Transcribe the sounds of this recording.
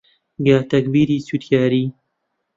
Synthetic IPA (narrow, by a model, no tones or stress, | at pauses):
ɡaːt̪ɐk̚biːɾiːsut̪ʰjaːɾiː